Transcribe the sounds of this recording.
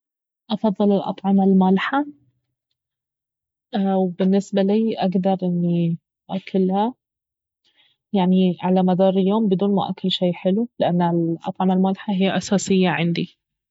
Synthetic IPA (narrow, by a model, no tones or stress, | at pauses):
ʔɑfɑðˤːɨlɪlʔɑ̰t̪ˤʕɑmalmaːlħa | wbɪnːɪsbaliːʔaɡd̪ɑɾˤʔɪnːi | ʔakʰːalha | jaʕniʕalamad̪ɑːɾˤɪljoːmbɪd̪uːnmʊʔa̰kːalʃiːħɪlulɪʔanːɪlʔɑ̰t̪ˤʕɑmalmaːlħaɦɪjːaʔasaːsɪjːaʕɪ̰nd̪i